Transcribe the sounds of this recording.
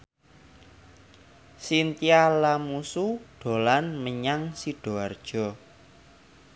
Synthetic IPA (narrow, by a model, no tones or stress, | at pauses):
sint̪ialamusuɖ̥o̤lanməɲaŋsiɖ̥o̤ard̥ʒ̥ɔ̤